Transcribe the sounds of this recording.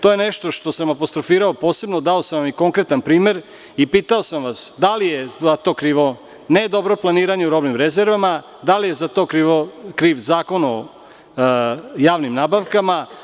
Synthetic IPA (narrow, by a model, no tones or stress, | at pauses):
t̪o̞jeneʃt̪o̞ʃt̪o̞samapost̪ɾo̞fiːɾaopo̞ːse̞bnod̪ao̞samʋamiko̞ŋkɾet̪anpɾiːme̞ɾ | ipiːt̪aosamʋasd̪alijeat̪o̞ːkɾiːʋo̞ | ned̪o̞bɾo̞plˠaniːɾaɲeuɾo̞bnimɾezeɾʋama | d̪alije̞zat̪o̞kɾiʋokɾiːʋzaːko̞no | jaːʋnimnaːbaʋkama